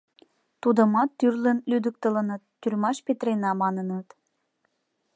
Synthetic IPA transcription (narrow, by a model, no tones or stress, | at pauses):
t̪ud̪əmɑt̪ːyrlə̆nlyd̪ək̚t̪ələnət̪ːyrmɑʃpet̪ɾenɑmɑnənət̪